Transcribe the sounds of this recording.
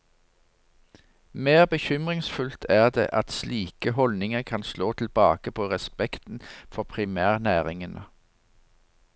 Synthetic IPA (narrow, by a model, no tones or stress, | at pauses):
meːʁbəçʏmʁɪŋsfʉlt̪ʰæːʁd̪ḛːʔɑt̪sliːkəɦɔlnɪŋəkʰɑnsloːt̪ʰɪlbɑːkəpʰoːʁɛspɛkt̪n̩fɔʁpʰʁɪmæːʁnæːʁɪŋənʔə